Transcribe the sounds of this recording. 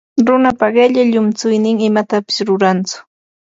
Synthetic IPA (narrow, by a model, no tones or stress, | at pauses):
ɾʊnapaɢeʎaʎʊmt͡sʊjnɪŋɪmat̪apɪ̥sɾʊɾant͡sʊ̥